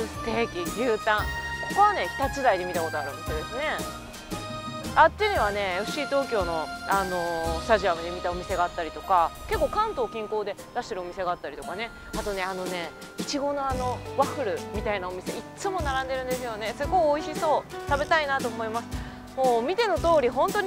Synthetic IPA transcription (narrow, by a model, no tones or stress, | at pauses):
sɨ̥t̪e̞ːkʲiɾʲɯːt̪ãŋ̃ko̞ko̞βane̞kʲi̥t̪at͡sɨd̪aid̪e̞mʲit̪ako̞t̪oa̰ɾɯ̟̃t̪ed̪e̞sɨne̞ | at̪ːeɯɲ̟iβane̞ɯɕiːt̪o̞ːkʲo̞ːno̞ano̞st̪aʑiamɯd̪emʲit̪ao̞mʲise̞ɡaat̪ːaɾʲit̪o̞kake̞kːo̞ːkãnt̪o̞ːkʲĩŋko̞ːd̪e̞d̪aɕi̥t̪e̞ɾɯ̟omise̞ɡaat̪ːaɾit̪okane̞ | at̪o̞ne̞ano̞ne̞ | it͡ɕiɡo̞no̞ano̞βaɸɯ̟ɾɯ̟mʲit̪ainao̞mʲise̞it͡sɨmo̞naɾãnd̪e̞ɾɯ̟̃nd̪e̞sɨjo̞ne̞sɨɡo̞kioiɕiso̞ːt̪abe̞t̪ainat̪o̞ːmo̞imasɨ̥ | mo̞ːmʲit̪e̞no̞t̪o̞ːɾʲiɦõ̞nt̪o̞ɲ̟